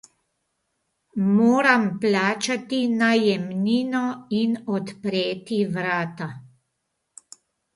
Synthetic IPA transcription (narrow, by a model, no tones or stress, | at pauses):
moːɾamplaːt͡ʃat̪inajɛmniːnɔinɔt̪pɾeːt̪iʋɾaːt̪a